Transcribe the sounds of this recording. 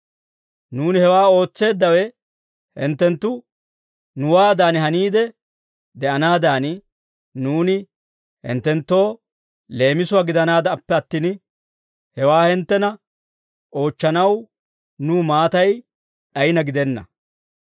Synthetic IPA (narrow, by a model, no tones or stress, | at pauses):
nuːnɪhɛwaːo̞ːt͡sːe̞ːd̪ːɐwɛ | hɛ̰nt̪ːɛnt̪ːʊ | nʊwaːd̪aːnhɐniːd̪ɛ | d̪ɛʔɐnaːd̪aːn | nuːnɪ | hɛ̰nt̪ːɛnt̪ːo̞ː | le̞ːmɪsʊwaːɡɪd̪ɐnaːd̪ɐpːɛɐt̪ːiːn | hɛwaːhɛnt̪ːɛnɐ | ʔo̞ːt͡ʃːɐnɐw | nuːmaːt̪ɐj | ɗɐjɪnɐɡɪd̪ɛnːɐ̰